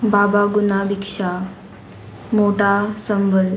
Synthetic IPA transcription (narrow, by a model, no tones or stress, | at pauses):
babaɡunabikʂa | moʈasəmbʱəl